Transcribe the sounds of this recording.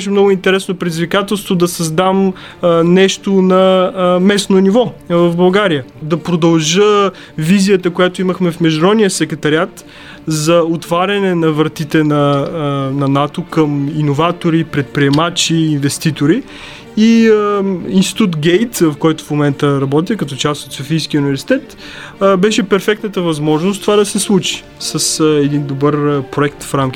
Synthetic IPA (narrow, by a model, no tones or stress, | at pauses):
ɛʃ̬ɛmnɔɡʊint̪ɛɾɛsnopɾɛd̪izvikat̪ɛlˠst̪vod̪ɐsɐzd̪am | nɛʃt̪onɐmɛsnonivɔvɐvbɐlˠɡaɾijəd̪ɐpɾod̪ɐlˠʒə | vizijət̪əkojat̪oiməxmɛfmɛʒɾɔnijəsɛkɾɛt̪ɐɾʲiat̪ | zɐot̪vaɾʲɐnɛnɐvɾɐt̪it̪ɛnɐ | nɐnat̪okəminovat̪oɾipɾɛt̪̚pɾiɛmat͡ʃiːnvɛst̪it̪oɾi | i | inst̪i̥t̪ut̪ɡɛjt̪vɐfkɔjt̪ʊ̥fmomɛnt̪əɾɐbɔt̪̬ikɐt̪ɔt͡ʃast̪ot̪sofijskʲiəunivɛɾsi̥t̪ɛt̪ | bɛʃɛpɛɾfɛk̚t̪nət̪əvɐzmɔʒnost̪ovad̪ɐsɛslˠut͡ʃi̥ | səsɛd̪ind̪obəɾpɾoɛk̚t̪fɾamkʲi